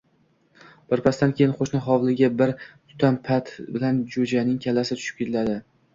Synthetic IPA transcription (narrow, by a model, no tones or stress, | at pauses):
b̥ɪɾpʰast̪ankʲʰe̞jɪnχoʃnɪɦɒvlˠɪɡʲabɪɾt̪ʰʊ̥t̪ʰanpʰat̪bɪland͡ʒod͡ʒanɪŋkʲʰalasɪt̪ʰʊ̥ʃɪ̥p̚kʲʰet̪ʰlad̪ɪ